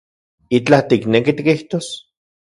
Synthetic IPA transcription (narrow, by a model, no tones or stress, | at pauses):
it͡ɬat̪iknekit̪ikiht̪oːs